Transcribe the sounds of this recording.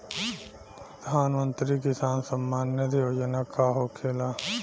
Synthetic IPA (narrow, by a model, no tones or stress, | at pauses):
pɾəd̪ʱaːnmə̃nt̪ɾikɪsaːnsəmːaːnjət̪ioːd͡ʒənakaɦoːkʰeːlaː